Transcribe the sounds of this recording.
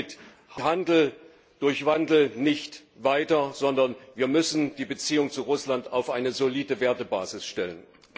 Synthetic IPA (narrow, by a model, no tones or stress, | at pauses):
ɪt | hhandl̩ | d̥ʊɐçv̥andl̩nɪçtvaɪtɐzɔndɐnviːɐmʏsn̩d̥iːbət͡siːʊŋt͡suʁʊslantaʊfʔaɪnəzoliːdəveːɐtəba̰ːzɪsʃtɛlən